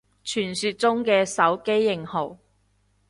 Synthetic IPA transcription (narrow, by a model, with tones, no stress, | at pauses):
t͡ʃʰyː˨˩nsyː˧t̚t͡sʊ˥ŋkɛː˧sɐ˨˥wke˥jːɪ˨ŋho˨˩w